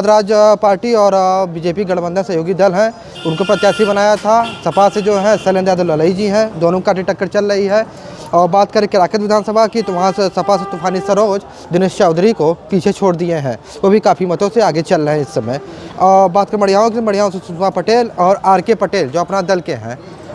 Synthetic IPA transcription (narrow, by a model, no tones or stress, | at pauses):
d̪ɾaːd͡ʒpaːɾʈiɔːɾbɪd͡ʒeːpiɡɐɽbə̃nd̪ʱãsɐɦjoːɡid̪ɐlɦɛ̃ | ʊnkopɾɐt̪jaːsibɐnaːjat̪ʰasɐpased͡ʒoːɦɛ̃seːlẽnd̪aːd̪əlːɐləid͡ʒiɦɛ̃d̪oːnõkaːʈiʈɐkːəɾt͡ʃɐlɾɐiɦɛ | ɔːɾbaːt̪kɐɾẽkɪɾaːkət̪ʋɪd̪ʱaːnsəbʱakit̪ʊʋɐɦãssɐpaset̪ʊpʰaːnisɐɾoːd͡ʒ | d̪ɪneːʃt͡ʃaːʊd̪ɾikopiːt͡ʃʰet͡ʃʰoːɽd̪ieɦɛ̰̃ | ʋobʱikaːpʰimɐt̪õseaːɡet͡ʃɐlːəɦɛ̃ɪsːəmḛ̃ː | baːt̪̚kəɾmɐɽ̤ijaːõkemɐɽ̤jaːõsesʊd͡ʒ̪ʋapɐʈeːlɔːɾaːɾkepɐʈeːld͡ʒoːɐpnad̪ɐlkeɦɛ̰̃ː